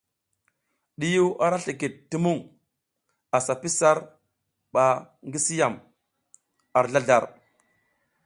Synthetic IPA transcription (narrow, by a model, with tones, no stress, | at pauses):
ɗi˦ju˦wʔa˨ɾa˦ɬi˨ki˨t̚tːi˦mu˦˨ŋ | a˨sa˨pi˦sa˦ɾ | ɓa˨ | ŋɡi˦si˦ja˨m | a˨ɾɮa˦ɮa˦˨ɾ